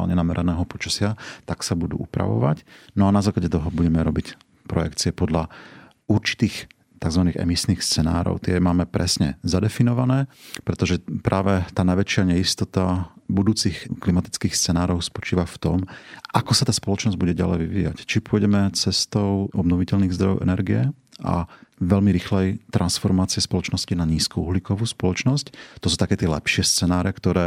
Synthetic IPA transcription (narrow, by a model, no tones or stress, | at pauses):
a̰lɲɛnamɛɾʔɛnɛːɦɔpɔt͡ʃḁsɪat̪aksabud̪ṵːʔupɾa̰ʋɔ̰ʋa̰cnɔanazaːklaɟɛt̪ɔɦɔbuɟɛmɛɾɔbic | pɾɔjɛ̰kt͡siɛpɔd̪la | uɾt͡ʃi̥t̪iːx | t̪aɡzʋaniːɣɛ̰misniːxst͡sɛna̰ːɾɔ̰ʊt̪ɪɛmaːmɛpɾɛsɲɛ̰zad̪ɛfinɔʋanɛːpɾɛt̪ɔʒɛpɾʔaːʋɛt̪aːnajʋɛt͡ʃɪaɲɛist̪ɔt̪abud̪uːt͡sixklimat̪i̥t͡skiːxst͡sɛnaːɾɔʊspɔt͡ʃiːʋaft̪ɔmʔakɔsat̪aːspɔlɔt͡ʃnɔzɟbuɟɛɟa̰lɛ̰jʋiʋḭːja̰ct͡ʃipʊɔɟɛmɛt͡sɛst̪ɔʊʔɔbnɔʋicɛʎniːɣzd̪ɾɔjɔ̰ʊʔɛ̰nɛɾɡijɛ | ʔa̰ʋɛlmiɾixlɛjt̪ɾʔansfɔɾmaːt͡siɛspɔlɔt͡ʃnɔscinaɲiːskuuɦlikɔʋuːspɔlɔt͡ʃnɔsct̪ɔsuːt̪akɛːt̪ɪɛlɛpʃɪɛst͡sɛnaːɾɛkt̪ɔɾɛː